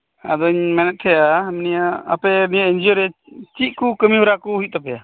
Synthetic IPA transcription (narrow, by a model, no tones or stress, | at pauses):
a̰d̪ɔiɲmɛnɛt̪̚t̪ʰɛjamnijaa̰pɛnijaind͡ʒɔɾɛt͡ʃiʔ̚ˀkukəmiɦɔɾakuuit̪̚t̪ɔpɛja